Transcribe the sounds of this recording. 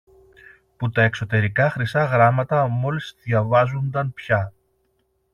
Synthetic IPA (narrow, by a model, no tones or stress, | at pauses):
put̪ɐe̞kso̞t̪e̞ɾikɐxɾisɐɣɾɐmɐt̪ɐmo̞lizðjɐvɐzond̪ɐnpçɐ